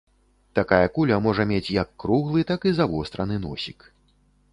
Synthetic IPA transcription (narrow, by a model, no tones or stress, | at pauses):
t̪akajɐkulʲɐmɔʐɐmʲet͡sʲjɐkːɾuɣlˠɨt̪akizavɔst̪ɾɐnɨnɔ̰sʲik